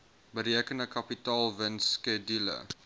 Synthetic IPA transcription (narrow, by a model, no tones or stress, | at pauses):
bəɾiəkəndəkɐpitɑːlˠvənskɛdilə̰